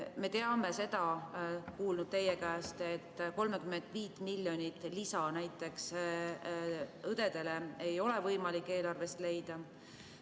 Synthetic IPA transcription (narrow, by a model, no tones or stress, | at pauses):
me̞t̪e̞ɑme̞se̞d̪̥ɑkuːlnud̪̥̚t̪e̞je̞kæːst̪e̞t̪ːko̞lmekymːe̞nd̪̥viːt̪ːˑmilʲːjo̞nʲit̪ːˑlisɑnæjt̪ːˑe̞ks | ɤd̪e̞d̪e̞leejo̞le̞vɤjmɑlikːˑeːlɑrve̞st̪le̞jd̪̥ɑ